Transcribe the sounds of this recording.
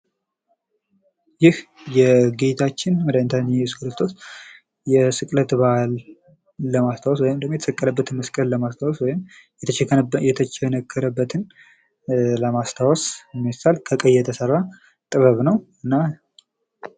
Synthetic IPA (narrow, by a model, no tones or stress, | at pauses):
jɪhjɛɡet̪ʰat͡ʃːɪnwəd̪əɨnt̪ʰanjɛjɛsu̥kɾɨst̪ʰo̞s | jɛsɨkʼlət̪balː | əmast̪ʰawɔswɔjɪmd̪əmːjɛt̪ə̥səkʼːələbːət̪ɨnməskʼəlləmast̪ʰawɔswɔjɪm | jɛt̪ʰɛjɛt̪ʰət͡ʃɛnəkʰːəɾəbːət̪ʰɨn | ləmast̪ʰawɔsmːɛsalkʰəkʼəjːɛt̪ʰəsəra | t̪ʼɨβəβnəwɨnːa